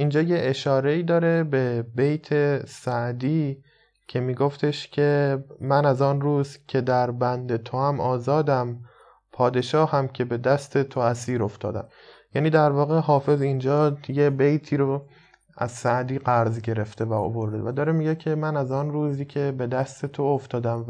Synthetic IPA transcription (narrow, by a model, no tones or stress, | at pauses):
ʔiːnd͡ʒɒːjeʔeʃɒːɾeiːd̪ɒːɾe̞be̞bejt̪ʰe̞sæʔd̪iː | cʰe̞miːɡo̞ft̪ʰe̞ʃcʰe̞mænæzɒːnruːzcʰe̞d̪æɾbænd̪e̞t̪ʰo̞æmɒːzɒːd̪æm | pʰɒːd̪e̞ʃɒːhæmcʰe̞be̞d̪æst̪e̞t̪ʰoæsiːɾo̞ft̪ɒ̰ːd̪æ̰m | jæːniːd̪æɾvɒːɣe̞ɦɒːfe̞zind͡ʒɒːjebejt̪ʰiːɾo | æ̰zsæʔd̪iːɡæɾzɟe̞ɾe̞ft̪ʰe̞væo̰bo̞ɾd̪evæd̪ɒːɾemiɟecʰe̞mænæzɒːnɾuːziːcʰe̞be̞d̪æst̪ʰe̞t̪ʰooft̪ɒːd̪æm